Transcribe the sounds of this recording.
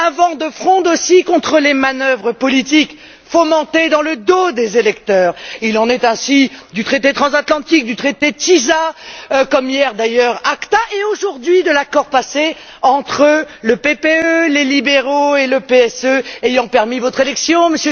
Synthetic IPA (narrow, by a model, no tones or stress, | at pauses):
avɑ̃d̪əfχɔ̃d̪osikɔ̃t̪χəlemanœvʁəpɔlit̪ik | fɔmɑ̃t̪ed̪ɑ̃ləd̪od̪ezelɛkt̪œːʁilɑ̃nɛt̪ɛ̃sid̪yt̪χet̪et̪χɑ̃zat̪lɑ̃t̪ik̚d̪yt̪χet̪et̪izakɔmjɛʁd̪ajœʁakt̪aʔeoʒuʁd̪ɥid̪əlakɔʁpase | ɑ̃t̪χələpepeølelibeʁoeləpeɛsøejɑ̃pɛʁmivɔt̪χelɛksjɔ̃məsjø